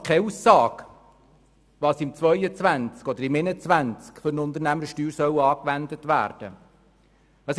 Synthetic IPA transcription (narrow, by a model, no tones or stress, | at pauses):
kʰɛusːɑːk | ʋɑːsɪmt͡sʋœʏət͡sʋænt͡skɔd̪əɾɪmɪnət͡sʋænt͡skfɔɾnʊnd̪əɾnæməɾʃtyːɾsœwɑːkʋænd̪ətʋæ̰ːɾd̥ə | ɑs